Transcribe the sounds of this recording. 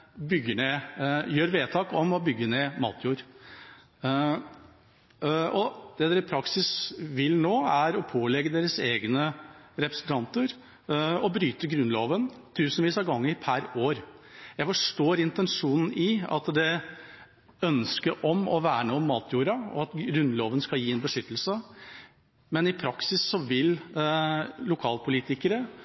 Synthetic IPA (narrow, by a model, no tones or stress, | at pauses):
bʏɡːəɳeːjøːɾʋeːt̪ʰɑːkɔmɔbʏɡːəneːmɑ̰ːt̪ʰjuːɾ | ɔd̪̥ɛd̪eːɾəpʰɾɑksɪsʋɪlnoːæɾɔpʰoːlɛɡːəd̪eːɾəseːɡnəɾɛpɾəsnt̪ʰɑnt̪əɾ | ɔbɾyːt̪əɡɾʉnloːʋənt̪ʰʉːsnʋiːsɑɡɑŋːəɾpʰæɾoːɾjæɪfɔʂʈoːɾɪnt̪ɛnʂuːnn̩ɪɑ̰t̪d̪ɛ | œnskəɾʔɔmɔʋæːɳoːmːɑːt̪ʰjuːɾɑɔ̰ɑt̪ɾʉnloːʋənskɑljiːɛnbəʂʏt̪ːəl̩sə | mɛnɪpʰɾɑksɪsːɔʋɪl | lʊkʰɑːlpʰʊliːt̪ɪkəɾə